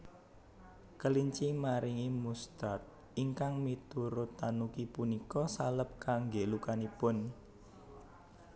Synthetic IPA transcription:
kəliɲt͡ʃimaɾiŋimust̪at̪̚ | iŋkaŋmit̪uɾʊt̪ːanukipunikɔsaləp̚kaŋɡelukanipʊn

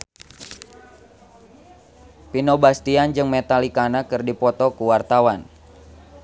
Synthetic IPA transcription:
pinɔbast̪iand͡ʒɨŋmɛt̪alikanakɨrdipɔt̪ɔkuwart̪awan

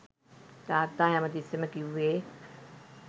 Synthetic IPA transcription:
d̪aːt̪ːaːjaməd̪iseməkiʋʋeː

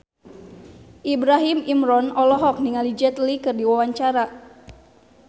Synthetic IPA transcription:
ʔibɾaɦimimɾɔnɔlɔɦɔk̚niŋalid͡ʒɛt̪likɨrdiwawaɲt͡ʃaɾa

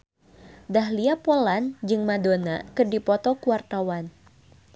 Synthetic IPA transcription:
daɦliapoland͡ʒɨŋmadona̰kɨrdipɔt̪ɔkuwart̪awan

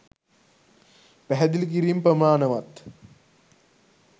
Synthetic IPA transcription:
pæɦɛd̪ilk̬iɾimprɐmaːnɐʋat̪

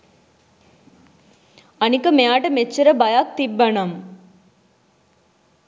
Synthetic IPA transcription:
ɐnikɐmejaːʈɐmet͡ʃːɐɾɐbɐjaːk̚t̪ibːɐnɐm

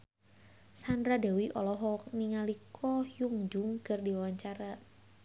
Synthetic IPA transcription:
sandɾadawiʔɔlɔɦɔk̚niŋalikʰɔjuŋd͡ʒʊŋkərdiwawaɲt͡ʃaɾa

